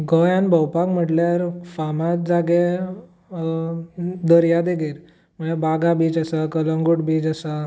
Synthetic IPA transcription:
ɡʱəjanbʱəwpakm̤əʈljaɾfamad͡zaɡe | d̪əɾjad̪eɡeɾ | m̤əɭebaɡabiːd͡zasakələ̃ŋɡuʈbiːd͡ʑəsa

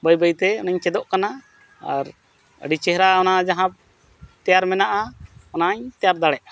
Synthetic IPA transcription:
bəjbəjt̪ɛɔnaɲt͡ʃɛd̪ɔʔkana | a̰ɾ | ə̰ɖit͡ʃɛɦɾaɔnad͡ʒaɦãb̚ | t̪ɛjaɾmɛnaʔaɔnaɲt̪ɛjaɾd̪aɽɛʔ

